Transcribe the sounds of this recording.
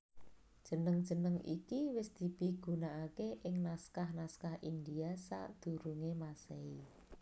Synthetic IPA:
d̥ʒ̥ə̤nəŋd̥ʒ̥ə̤nəŋʔḭkiwɪsd̪̥i̤b̥i̤ɡ̥ṳnaʔakeʔɪŋnaskahnaskahind̪iasa̰ʔd̪̥ṳɾuŋemasei

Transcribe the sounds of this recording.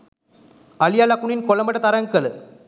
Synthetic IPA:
ɐlɪjaːlaːkuɳɪnkɔlɐmɐʈːɐt̪ɐɾɐŋɡɐɭ

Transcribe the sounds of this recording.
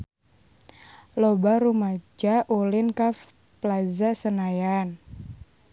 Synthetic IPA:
lɔbaɾumad͡ʒaʔulɪnkaf | plazasənajan

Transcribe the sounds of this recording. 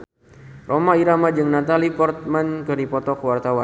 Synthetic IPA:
rʔomaiɾamad͡ʒɨŋnat̪alipɔrt̪̚mankɨdipɔt̪ɔkəwart̪awa

